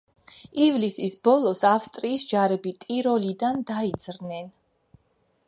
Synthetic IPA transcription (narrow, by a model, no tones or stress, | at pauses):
ivlisisbɔlˠɔsafst̪ʼɾiːsd͡ʒaɾɛbit̪ʼiɾɔlid̪and̪aid̪z̥ɾnɛn